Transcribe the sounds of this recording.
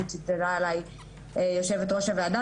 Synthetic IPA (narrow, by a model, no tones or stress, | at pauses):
itt͡ʃit̪alaelaj | ejo̞ʃe̞vet̪ʁo̞ʃavead̪a